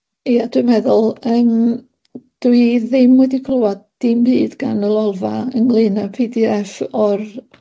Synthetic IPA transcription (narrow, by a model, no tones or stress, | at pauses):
iad̥wɨmɛðʊlˠəːm | d̥wiðɪmwɛdikʰlˠʊadd̥imbɨːdɡanəlˠɔlˠvaəŋlˠɨnapʰiːdiɛfɔr